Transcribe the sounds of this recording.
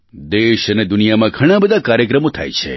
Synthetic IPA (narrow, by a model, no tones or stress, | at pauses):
d̪eʃəned̪ʊnijamãɡʱəɽ̃ãbəd̪ʱakaɾjəkɾəmõt̪ʰa̰jt͡ʃʰḛ